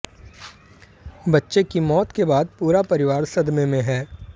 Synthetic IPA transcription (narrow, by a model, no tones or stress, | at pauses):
bɐtːʃekimɔːt̪kebaːd̪̚puːɾapɐɾɪʋaːɾsɐd̪mẽmẽɦɛː